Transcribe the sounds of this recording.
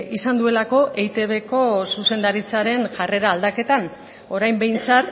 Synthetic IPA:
isand̪ue̞lako̞ʔejt̪e̞βe̞ko̞suse̞nd̪aɾit͡saɾe̞nʝare̞ɾaːld̪ake̞t̪an | o̞ɾajmbe̞jnt͡sat̪

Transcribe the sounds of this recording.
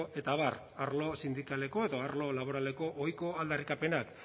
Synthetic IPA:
ʔe̞t̪aβar | aɾlo̞sind̪ikale̞ko̞e̞ðo̞aɾlo̞laβ̞o̞ɾale̞ko̞ʔojko̞ald̪arikape̞nak

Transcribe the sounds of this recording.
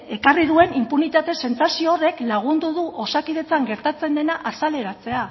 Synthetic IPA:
e̞kariðue̞nimpunit̪at̪e̞se̞nt͡sasioːre̞klaɣ̞und̪uðuʔo̞sakiðe̞t͡saŋɡe̞ɾt̪at͡se̞nd̪e̞naʔasale̞ɾat͡se̞a

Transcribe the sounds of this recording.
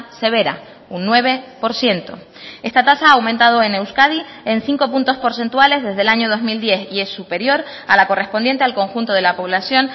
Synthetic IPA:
se̞β̞e̞ɾa̰ | unːwe̞β̞e̞po̞ɾsje̞nt̪o̞̰ | e̞st̪at̪asaaːwmẽnt̪að̞o̞e̞ne̞wskaði | enθiŋko̞punt̪o̞spo̞ɾse̞nt̪wale̞zðe̞zðelaɲoð̞o̞zmild̪je̞θie̞sːupe̞ɾjo̞ɾ | alako̞re̞spo̞nd̪je̞nt̪e̞alko̞ŋxunt̪o̞ðe̞lapo̞β̞lasjo̞n

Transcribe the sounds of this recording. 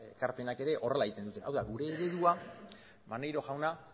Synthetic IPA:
kaɾpe̞nake̞ɾe̞ʔo̞re̞laeit̪end̪ut̪e̞ʔawðaɡuɾe̞ːɾe̞ðua | mane̞jɾo̞ʝawna

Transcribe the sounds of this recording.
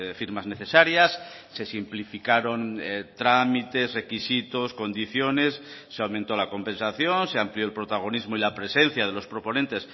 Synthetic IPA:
fiɾmazne̞θe̞saɾjasːe̞simplifikaɾo̞nt̪ɾamit̪e̞sre̞kisit̪osko̞nd̪iθjo̞ne̞sːeawmẽnt̪o̞lako̞mpẽ̞nsaθjo̞nse̞ampljo̞elpɾot̪aɣ̞o̞nizmoilapɾe̞se̞n̟θjað̞e̞lo̞spɾo̞po̞nent̪e̞s

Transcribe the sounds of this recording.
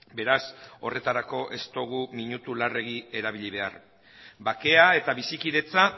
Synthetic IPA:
be̞ɾaso̞re̞t̪aɾako̞ʔe̞st̪o̞ɣ̞umiɲut̪ulare̞ɣ̞ie̞ɾaβ̞iʎiβ̞e̞a̰ɾ | bake̞ae̞t̪aβisikiðe̞t͡sa

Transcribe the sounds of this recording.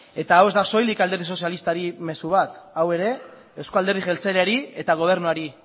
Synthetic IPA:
e̞t̪aːwe̞zd̪aso̞jlikald̪eɾrðiso̞sjalist̪aɾime̞suβ̞at̪awe̞ɾe̞ | ewsko̞ald̪erðiɣe̞lt͡seleaɾie̞t̪aɣ̞o̞β̞e̞ɾnuaɾi

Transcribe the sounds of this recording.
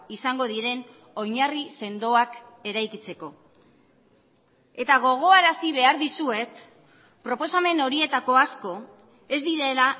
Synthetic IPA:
isaŋɡo̞ð̞iɾe̞n | o̞jɲarise̞nd̪o̞ake̞ɾajkit͡se̞ko̞ | e̞t̪aɣ̞o̞ɣ̞o̞aɾasiβ̞e̞aɾðisue̞t̪ | pɾo̞po̞same̞no̞ɾie̞t̪ako̞asko̞ | e̞zd̪iɾe̞la

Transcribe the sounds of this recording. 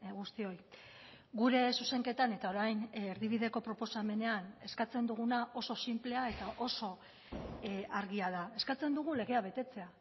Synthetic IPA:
ɣust̪io̞j | ɡuɾe̞suse̞ŋke̞t̪ane̞t̪ao̞ɾajneɾðiβ̞iðe̞ko̞pɾo̞po̞same̞ne̞ane̞skat͡se̞nd̪uɣ̞unaʔo̞so̞simple̞ae̞t̪aʔo̞so̞ | aɾɣiað̞ae̞skat͡se̞nd̪uɣ̞ule̞ɣ̞e̞aβ̞e̞t̪e̞t͡se̞a

